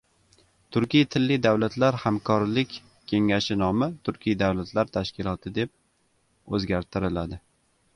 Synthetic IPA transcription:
t̪ʰʊɾkʲijt̪ʰɪlːɪd̪awlat̪laɾhamkʰɒɾlɪkʲ | kʲʰːe̞ŋaʃɪnɒmɪt̪ʰʊɾkʲʰijd̪awlat̪laɾt̪ʰaʃkʲɪlˠɒt̪ʰɪd̪e̞p̚ | ɵzɡʲaɾt̪ʰɪɾɪlad̪ɪ

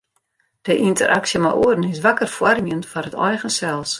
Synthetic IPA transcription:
d̥əʔintə̰rʔaksjəma̰ʔuədənɪsʋakərfwarmiəntfɔrətɔjɣənsɛlˠs

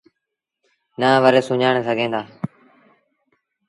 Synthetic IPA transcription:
naːʋəɾeːsʊɲaːɳ̃esəɡʱẽːnd̪aː

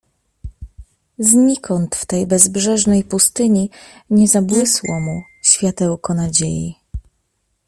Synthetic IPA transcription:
zɲikɔnt̪ft̪ɛjbɛzbʐɛʐnɛjpust̪ɘɲiɲɛzabwɘswɔmu | ɕfʲjat̪ɛwkɔnad͡ʑḛjḭ

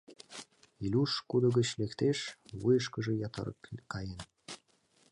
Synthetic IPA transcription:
ilʲuʃkud̪ə̆ɣət͡ɕlekt̪eʃβujəʃkəʒĕjɑt̪ɑ̰ɾə̰kkɑjen

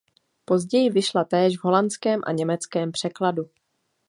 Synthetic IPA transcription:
po̞zɟɛjɪvɪʃlat̪ɛːʒvɦo̞lant͡skɛːmʔa̰ɲɛmɛt͡skɛːmpr̝̥ɛkladu

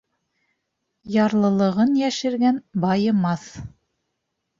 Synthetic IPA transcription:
jɑɾlˠɤ̆lˠɤ̆ʁɤnjæʃɘ̆ɾɡænbɑjɤ̆mɑθ

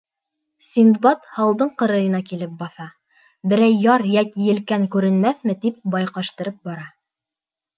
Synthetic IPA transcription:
sʲind̪bɑt̪hɑlˠd̪ɤɴqɤ̆ɾɤ̆jɤ̆nɑkilɘp̚bɑθɑ | bɘ̆ɾæjːɑɾjækijɘ̆lkæŋkʉɾɘ̆nmæθmɘt̪ip̚bɑjqɑʃt̪ɤ̆ɾɤp̚bɑɾɑ

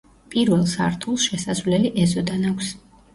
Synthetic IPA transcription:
pʼiɾvɛlˠsa̰ɾt̪ʰulˠsʃɛsazvlɛliʔɛzɔd̪anakʷʰs

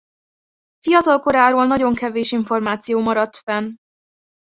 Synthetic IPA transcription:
fijɒt̪ɒlko̞ɾaːɾoːlnɒɟo̞ŋkɛveːʃiɱfo̞rmaːt̪sijoːmɒɾɒt̪fɛn

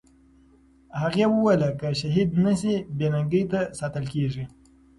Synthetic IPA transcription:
haɣewəwelakəʃaɦid̪nəsibenaŋɡəjt̪asɑt̪əlkeʐi

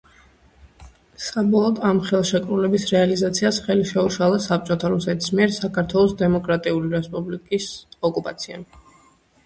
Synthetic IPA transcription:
sabɔlˠɔd̪amχɛlˠʃɛkʼɾulɛbisɾɛalizat̪sʰiasχɛliʃɛuʃalˠasap̚t͡ʃʼɔt̪ʰaɾusɛt̪ʰi̥smiɛɾsakʰaɾt̪ʰwɛlˠɔsd̪ɛmɔkʼɾat̪ʼiuliɾɛspʼublikʼisɔkʼupʼat̪sʰia̰

